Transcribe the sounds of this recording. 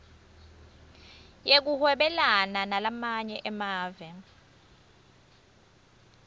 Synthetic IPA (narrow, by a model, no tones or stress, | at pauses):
jek̬uhwɛɓɛlananalamaɲɛʔɛmaːvɛ